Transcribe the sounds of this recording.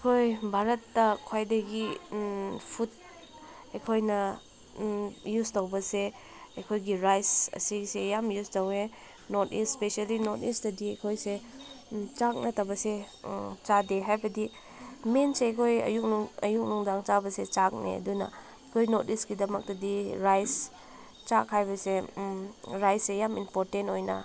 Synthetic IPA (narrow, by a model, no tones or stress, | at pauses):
ɐkʰojbʱaɾɐtːɐkʰwajdɐɡi | pʰut̚ | ɐjkʰojnɐ | justowbɐse | ɐjkʰojɡiɾajsɐ̰sisejamjustɐwe | notḭsspesialinotisdɐdiɐjkʰojse | t͡ʃak̚nɐtɐbɐset͡ʃadeɦajbɐdi | menseɐjkʰojɐ̰juk̚nuŋɐ̰juk̚nuŋdaŋt͡ʃabɐset͡ʃak̚nḛɐ̰dunɐ̰ | ɐjkʰojnotisɡidɐmɐk̚tɐdiɾajs | t͡ʃakʰajbɐse | ɾajsejaminpoɾtentojnɐ̰